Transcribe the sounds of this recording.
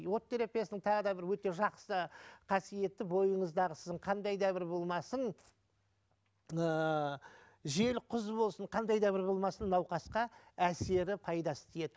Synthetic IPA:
wo̞t̪ːe̞ɾepijesɪnɪŋt̪ʰɑʁəd̪ɑbɪɾwɵt̪e̞ʒɑqsəqʰɑsije̞t̪ːɪbo̞jəɴəzd̪ɑʁəsɪ̥zd̪ɪɴqʰɑnd̪ɑjd̪ɑbɪɾbo̞lˠmɑsən | ə | ʒe̞lqʰʊzbo̞lˠsəɴqʰɑnd̪ɑjd̪ɑbɪɾbo̞lˠmɑsənːɑwqɑsqɑæse̞ɾɪpʰɑjd̪ɑsə̥t̪ʰeje̞d̪ɪ

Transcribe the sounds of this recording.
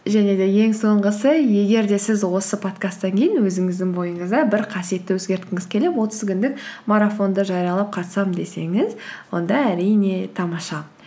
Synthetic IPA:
ʒæne̞d̪e̞je̞ŋso̞ɴʁəsəje̞ɡʲe̞ɾd̪e̞sɪzwo̞səpʰo̞t̪kast̪ːɑŋkʲʰe̞jɪnwɵzɪŋɪzd̪ɪŋbo̞jəɴəzd̪ɑbɪɾqʰɑsije̞t̪ːɪwɵzɡʲe̞ɾt̪kʲɪŋɪz̥kʲʰe̞le̞pwo̞t̪əzkʲʏnd̪ɪk̚maɾafo̞nd̪əʒɑɾijɑlˠɑp̚qʰɑt̪sɑmd̪e̞se̞ŋɪzwo̞̰nd̪ɑæɾijne̞t̪ʰɑmɑʃɑ

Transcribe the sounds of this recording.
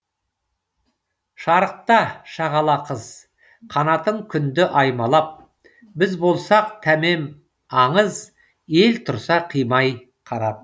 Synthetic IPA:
ʃɑɾəq̚t̪ɑʃɑʁɑlˠɑqʰəz | qʰɑnɑt̪əɴkʲʰʏnd̪ɪʔɑjmɑlˠɑp̚ | bɪzbo̞lˠsɑq̚t̪ʰæme̞m | ɑɴəz | e̞lt̪ʰʊɾsɑqʰijmɑj | qʰɑɾɑd̪ə

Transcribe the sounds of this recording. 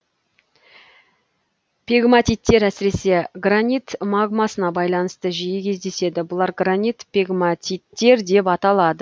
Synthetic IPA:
pʲʰeɡmat̪ʲijt̪ːe̞ɾæsɪɾe̞se̞ɡranit̪maɡmasənɑbɑjlˠɑnəst̪əʒijɪkʲʰe̞zd̪e̞se̞d̪ɪbʊlˠɑɾɡranit̪pʰʲeɡmat̪ʲijt̪ːe̞ɾd̪e̞pɑt̪ɑlˠɑd̪ə

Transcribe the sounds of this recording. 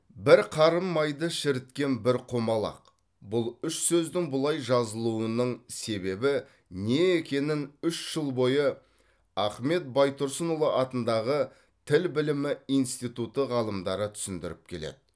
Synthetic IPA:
bɪɾqʰɑɾəmːɑjd̪əʃɪɾɪt̪kʲe̞nbɪɾqʰo̞mɑlˠɑ̰q | bʊlˠʏʃsɵzd̪ɪŋbʊlˠɑjʒɑzəlˠuənəɴse̞be̞bɪ | ne̞ːkʲe̞nɪnʏʃʒ̥əlˠbo̞jə | ɑχme̞t̪̚bɑjt̪ʊɾsənolˠəʔɑt̪ənd̪ɑʁə | t̪ʰɪlbɪlɪmɪijnst̪ijt̪ut̪əʁɑlˠəmd̪ɑɾət̪ʰʏ̥sɪnd̪ɪɾɪp̚kʲʰe̞le̞̰d̪ɪ

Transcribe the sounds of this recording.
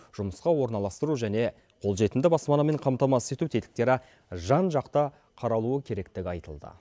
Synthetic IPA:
ʒ̥ʊməsqɑwo̞ɾnɑlˠɑst̪əɾuʒæne̞ | qʰo̞lˠʒe̞t̪ɪnd̪ɪbɑspɑnɑme̞ɴqʰɑmt̪ɑmɑse̞t̪ut̪ʰet̪ɪ̥k̚t̪e̞ɾɪ | ʒɑnʒɑqt̪ə | qʰɑɾɑlˠuəkʲʰe̞ɾe̞kt̪ɪɡʲɪɑjt̪əlˠd̪ə̰

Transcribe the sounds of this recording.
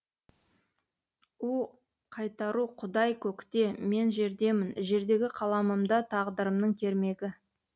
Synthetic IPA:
u | qʰɑjt̪ɑɾuqʰʊd̪ɑjkʲʰɵkt̪e̞me̞nʒe̞ɾd̪e̞mɪnʒe̞ɾd̪e̞ɡʲɪqʰɑlˠɑməmd̪ɑt̪ʰɑʁd̪əɾəmnəɴt̪ʲʰe̞ɾme̞ɡʲɪ

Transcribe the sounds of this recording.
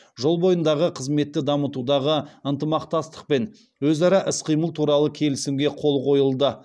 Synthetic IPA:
ʒo̞lˠbo̞jənd̪ɑʁəqʰəzme̞t̪ːɪd̪ɑmət̪ud̪ɑʁəənt̪əmɑqt̪ɑst̪ə̥q̚pe̞n | wɵzɑɾɑʔɪsqʰijməlˠt̪ʰuɾɑlˠəkʲʰe̞lɪsɪmɡʲe̞qʰo̞lˠqʰo̞jəlˠd̪ə

